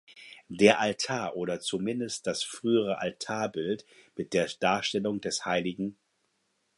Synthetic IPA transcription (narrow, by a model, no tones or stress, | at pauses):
deːɐʔaltʰaːɐʔoːɾɐt͡sumɪndəst̚d̥asfʁ̥yːəʁ̞əʔa̰ltʰaːɐbɪltmɪt̚d̥eːɐd̥aːɐʃtɛlʊŋdɛshaɪlɪɡŋ̩